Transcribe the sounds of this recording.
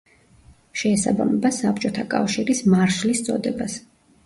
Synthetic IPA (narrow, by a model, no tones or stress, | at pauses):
ʃɛːsa̰ba̰mɛbasap̚t͡ʃʼɔt̪ʰakʼa̰fʃiɾismaɾʃlist̪sʼɔ̰d̪ɛbas